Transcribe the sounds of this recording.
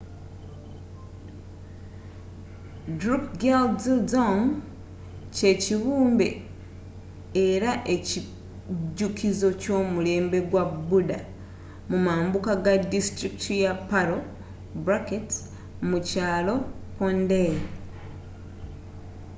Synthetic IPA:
dɾukɡelzzoŋ | ce̞ciβuːmbe̞̰ | eɾaʔe̞ci | ɟːukizo̞co̞ːmule̞ːmbe̞ɡwabuda | mumaːmbukaɡadistɾiktujapaɾo | bɾaket | mucaːlo̞ponde

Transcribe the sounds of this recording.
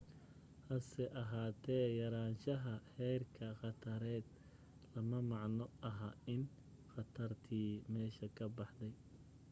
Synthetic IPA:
hɐsɛʔɐɦaːt̪ʰɛːjɐɾaːnʃɐɦɐhɛrkʰɐχɑt̪ʰɐɾɛːd̪ | lɐmɐmɑʕnɔʔɐɦɐɪn | xɑt̪ʰɐrt̪ʰiːmɛːʃɐkʰɐbɑħd̪ɛj

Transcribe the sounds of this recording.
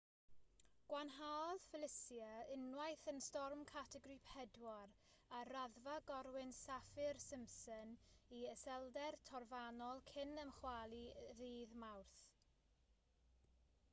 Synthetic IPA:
ɡ̥wanɦaɔðfɪlˠɪsjəɪnwajθənstɔrmkʰatʰɛɡrɨpʰɛdwɔɾ | araðvaɡɔɾwɪnsafɪrsɪmsəniəsɛlˠdɛrtʰɔrvanɔlˠkʰɪnəmχwalˠiðiːðmawrθ

